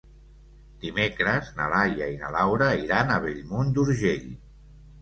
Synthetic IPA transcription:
d̪̥imekɾəznalajaina̰lawɾəiɾanəβeʎmond̪uɾʒeʎ

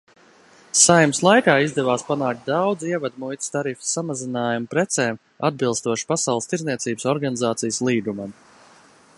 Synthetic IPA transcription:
sajmslˠajkaːizd̪ɛvaːspanaːk̚t̪̚ʲd̪awd̪ziɛvad̪mujt̪ʲi̥st̪aɾifi̥samazinaːjumupɾɛt̪sɛːm | a̰d̪̚bilˠst̪uɔʃi̥pasawlˠst̪iɾzniɛsiːbsɔɾɡanizaːt̪sijəslˠiːɡumam

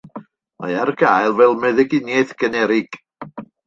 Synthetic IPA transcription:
ma̰jarɡajlˠvɛlˠmɛðɛɡɪnjɛθɡ̥ənɛɾɪɡ̥

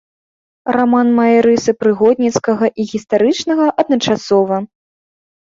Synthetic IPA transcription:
ramanmɐɾɨsɨpɾɨɣɔd̪̚ʲnʲit̪skɐɣɐʔiɣʲist̪aɾɨt͡ʂnɐɣɐʔɐd̪nɐt͡ʂasɔvɐ

